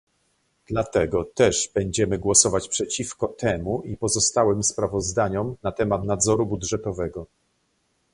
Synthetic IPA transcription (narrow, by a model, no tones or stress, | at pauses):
d̪̥lat̪ɛɡɔt̪ɛʐbɛɲd͡ʑɛmɘɡwɔsɔvat͡ɕpʂɛt͡ɕifkɔt̪ɛmuipɔzɔst̪awɛmspɾavɔzd̪aɲɔmnat̪ɛmat̪nad̪zɔɾubudʐɛt̪ɔvɛɡɔ